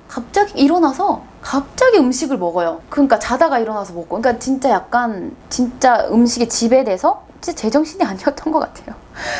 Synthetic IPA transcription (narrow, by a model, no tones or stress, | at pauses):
kap̚t͡ɕ͈aɡiiɾʌnasʰʌ | kap̚t͡ɕ͈aɡiɯmɕʰiɡɯɭmʌɡʌjokɯɲik͈at͡ɕadaɡaiɾʌnasʰʌmʌk͈oɯɲkat͡ɕint͡ɕ͈ajak̚k͈ant͡ɕint͡ɕ͈aɯmɕʰiɡet͡ɕibe̞de̞sʰʌt͡ɕint͡ɕ͈at͡ɕe̞d͡ʑʌŋɕʰiniaɲiʌt̚t͈ʌnɡʌk͈atʰe̞jo